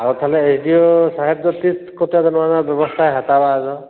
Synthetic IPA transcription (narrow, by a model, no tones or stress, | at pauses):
aɹut̪ʰalɛesʰdiosaɦɛb̚dɔt̪itkɔtazɔnɔanabjɔbɔst̪ʰajɦat̪abaːzɔ